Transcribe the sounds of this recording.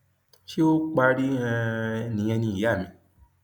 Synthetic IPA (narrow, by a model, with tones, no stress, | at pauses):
ʃi˦o˦k͡pa˧ɾi˦ɛ̃˧nĩ˨˧˦ɛ˧nĩ˧i˨ja˦˨mĩ˧